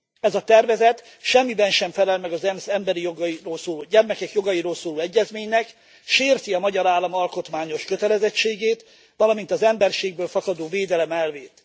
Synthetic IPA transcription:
ɛzɒt̪ɛrvɛzɛt̪ | ʃɛmːibɛnʃɛɱfɛlɛlmɛɡɒzɛmsɛmbɛɾijoɡɒjiroːlsoːloːɟɛrmɛkɛkjo̞ɡɒjiɾoːlsoːloːɛɟːɛzmeːɲnɛk | ʃeːrt̪iɒmɒɟɒɾaːlːɒmɒlko̞t̪maːɲo̞ʃkøt̪ɛlɛzɛt͡ʃːeːɡeːt̪ | ʋɒlɒmint̪ɒzɛmbɛrʃeːɡ̚bøːlfɒkɒd̪oːveːd̪ɛlɛmɛlveːt̪

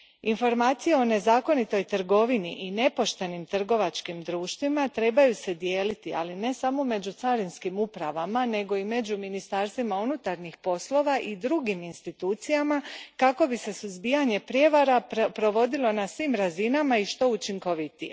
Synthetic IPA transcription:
info̞ɾmaːt̪sije̞o̞ne̞zaːko̞nit̪o̞jt̪r̩ɡo̞ʋiniʔine̞po̞ʃt̪e̞nimt̪r̩ɡo̞ʋat͡ʃkimd̪ɾuːʃt̪ʋimat̪ɾe̞bajuse̞d̪je̞ːlit̪ia̰line̞samo̞me̞d͡ʑut̪saɾinskimupɾaʋamane̞ɡo̞ime̞d͡ʑuminist̪aːɾst̪ʋimaunut̪aɾnixpo̞slˠo̞ʋaʔid̪ɾuɡiminst̪it̪uːt̪sijamakako̞bise̞suzbijaɲe̞pɾje̞ʋaɾapɾo̞ʋo̞d̪ilˠo̞nasʋiːmɾazinamaiʃt̪o̞ut͡ʃiŋko̞ʋit̪ḭje

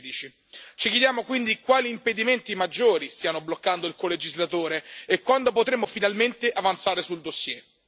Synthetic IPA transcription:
d̪it͡ʃi | t͡ʃikjed̪jaːmokwind̪ikwaːliːmped̪iment̪imad͡ʒːoːɾist̪iːanoblokːand̪oilkoled͡ʒizlat̪oːɾeekːwand̪opot̪ɾemːofinalment̪eʔavant̪saːɾesuld̪osːjɛ

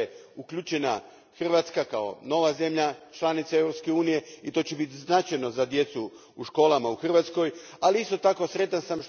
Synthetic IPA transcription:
eukʎut͡ʃena | xr̩ʋat̪skakao̰no̞ʋaze̞mʎat͡ʃlˠanit̪sae̞vɾopske̞uːnije̞it̪o̞ːt͡ɕebit̪iznat͡ʃajno̞zad̪je̞t̪su | uʃko̞ːlˠamauxr̩ʋat̪sko̞j | aliist̪o̞t̪ako̞sɾe̞t̪ansamʃ

